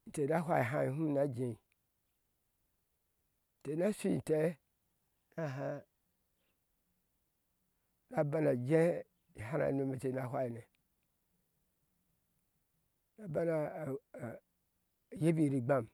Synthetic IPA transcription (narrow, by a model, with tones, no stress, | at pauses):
n̩˨te˨a˦ɦʷa˦i˨ɦa˦i˨hu˦m˦˨na˦d͡ʒe˨ | te˨na˦si˦˨te˦ | na˦ɦa˦ | na˨ba˦na˨d͡ʒe˦ | i˨ɦa˦na̰˨no˦mi˨te˨a˦˨ɦʷwa˦i˨ne˨ | na˨ba˦na˨ | je˦bi˨ɾi˨ɡ͡ba˦m